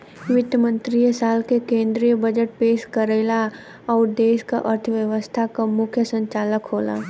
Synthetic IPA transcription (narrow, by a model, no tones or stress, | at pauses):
ʋɪt̪əmə̃nt̪ɾijəsaːlkekẽːnd̪ɾijəbəd͡ʒəʈ̚peːʃkəɾeːla | ɔːɾd̪eːʃkaʔəɾt̪ʰʋjəʋəst̪ʰakamʊkʰjəsə̃ɲt͡ʃaːləkɦoːla̰ː